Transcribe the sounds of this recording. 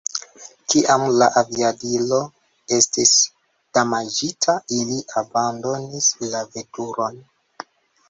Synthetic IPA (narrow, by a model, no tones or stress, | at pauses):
kiʔamlaʔaviadilo̞ | e̞stis | d̥amad͡ʒitʰailiʔabando̞nislave̞tuɾo̞n